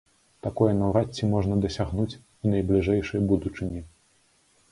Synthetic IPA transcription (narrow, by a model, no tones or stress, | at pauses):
t̪akɔjɐnawɾatt͡sʲːimɔʐnɐd̪ɐsʲaɣnut͡sʲ | unɐjblʲiʐɛjʂɐjbud̪ut͡ʂɨnʲi